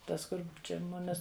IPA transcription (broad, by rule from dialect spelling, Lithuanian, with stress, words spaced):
ˈtɐs ˈkʊr ˈt͡ʃʲɛ ˈmʊmʲɪs